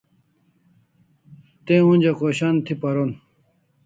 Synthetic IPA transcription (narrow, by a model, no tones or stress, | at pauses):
t̪ẽũnʲd͡ʑɐkoːɕant̪ʰipɐɾon